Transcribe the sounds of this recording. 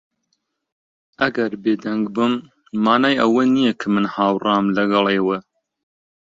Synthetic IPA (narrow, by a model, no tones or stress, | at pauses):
ʔɐɡɐɾbeːd̪ɐŋɡbɨmː | aːnaːjʔɐwɐnijɛkʰɨmɨnhaːwraːmlɐɡɐlˠeːwɐ